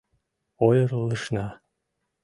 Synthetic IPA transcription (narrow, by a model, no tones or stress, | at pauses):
ojɤ̆rlːəʃnɑ